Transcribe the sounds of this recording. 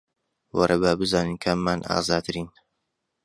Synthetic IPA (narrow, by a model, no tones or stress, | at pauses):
wɐ̰ɾʔɐbaːbɨzaːnɨnkʰamːana̰ːzaːt̪ʰɨɾiːn